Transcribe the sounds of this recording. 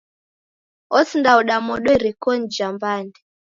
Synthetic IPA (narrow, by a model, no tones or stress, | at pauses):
ɔsindaɔɗamɔɗɔiɾikɔn̩d͡ʒambandɛ